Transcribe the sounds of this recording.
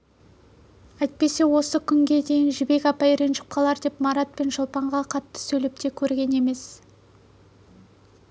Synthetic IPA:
æjt̪̚pe̞se̞wo̞səkʲʰʏŋɡʲe̞d̪e̞jɪnʒɪbe̞kʲɑpɑjɾe̞nʒɪ̥p̚qʰɑlˠɑɾd̪e̞pmɑɾat̪̚pe̞nʒəlˠpɑɴʁɑqʰɑt̪ːə̥sɵjle̞p̚t̪ʰe̞kʲʰɵɾɡʲe̞ne̞me̞s

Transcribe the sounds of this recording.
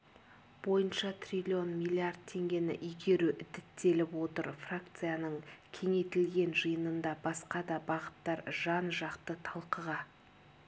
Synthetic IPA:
bo̞jənʃɑt̪ʰrʲilʲio̞nmʲilʲˠiard̪̚t̪ʰːe̞ŋɡʲe̞nɪ̰ʔʏjɡʲe̞ɾuʔʏd̪ɪt̪ːe̞lɪpwo̞t̪əɾfrakt̪sɨjanəɴkʲʰe̞ŋe̞t̪ɪlɡʲe̞nʒəjənənd̪ɑbɑsqɑd̪ɑbɑʁət̪ːɑɾʒɑnʒɑqt̪ət̪ʰɑlˠqəʁɑ

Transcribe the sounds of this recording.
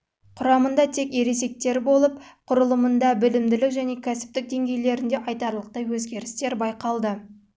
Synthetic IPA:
qʰʊɾɑmənd̪ɑt̪ʰe̞ke̞ɾe̞se̞k̚t̪e̞ɾbo̞lˠəp̚qʰʊɾəlˠəmənd̪ɑbɪlɪmd̪ɪlɪkʒæne̞kʲʰæsɪ̥p̚t̪ɪk̚d̪e̞ŋɡʲe̞jle̞ɾɪnd̪e̞ʔɑjt̪ɑɾlˠəq̚t̪ɑjwɵzɡʲe̞ɾɪst̪e̞ɾbɑjqɑlˠd̪ə

